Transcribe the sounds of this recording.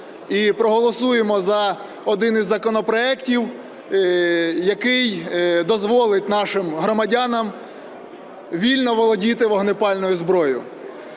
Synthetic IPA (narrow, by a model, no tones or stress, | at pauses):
ipɾɔɦɔlˠɔsujemɔzɐ | ɔd̪ɪnɪzʲːɐkɔnɔpɾɔɛktʲiw | jɐkɪjd̪ɔzʋɔlˠɪt̚ʲnɑʃɪmɦɾɔmɐdʲanɐm | ʋʲilʲnɔʋɔlˠɔdʲit̪ɪʋɔɦnɪpɑlʲnɔjʊzbɾɔjʊ